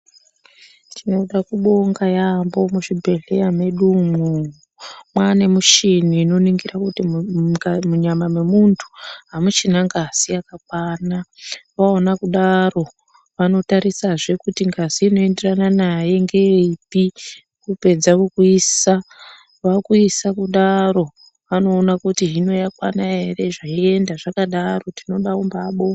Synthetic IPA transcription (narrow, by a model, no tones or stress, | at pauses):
tʰino̞ɗakuɓo̞ŋɡajambo̞muʂibʱe̞ɮe̞jame̞ɗumu | mwanemuʃiniːno̞niŋɡirakuti | muɲamame̞muntʰu̥ɦamut͡ʃinaŋɡaz̥iakak̚waːnaʋaonakuɗaro̞ | ʋano̞taɾisaʐe̞kutiŋɡaziːno̞e̞nde̞rananaje̞ŋɡe̞ipi | kupe̞d͡zakokuisa | ʋakuisakuɗaɾo̞ | ʋano̞ːnakutiɦino̞jakwa̰naɦe̞re̞ʐaie̞ndaʐakaɗaro̞tino̞ɗaumbaɓo̞